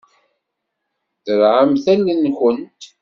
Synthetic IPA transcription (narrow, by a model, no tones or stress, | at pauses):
θəɾʕəmθælːənçənt̪